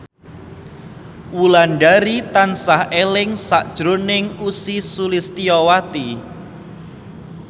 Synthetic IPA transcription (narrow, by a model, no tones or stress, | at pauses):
wulanɖaɾit̪ansahelɪŋsaʔd̥ʒ̥ɾonɪŋusisulist̪iɔwat̪i